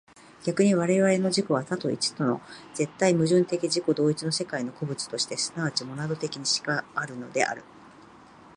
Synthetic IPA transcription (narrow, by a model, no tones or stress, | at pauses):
ɡʲakɯ̟ɲ̟iβaɾe̞βaɾe̞no̞ʑiko̞βat̪at̪o̞̰ḭt͡ɕi̥t̪o̞no̞̰z̥e̞t̪ːaimɯ̟ʑɨ̃nt̪e̞kʲiʑiko̞d̪o̞ːit͡sino̞se̞kaino̞ko̞bɯ̟t͡sɨ̥t̪o̞ɕi̥t̪e̞sɨ̥naβat͡ɕimo̞nad̪o̞t̪e̞kʲiɲ̟iɕi̥kaːɾɯ̟no̞d̪e̞̰ʔa̰ɾɯ̟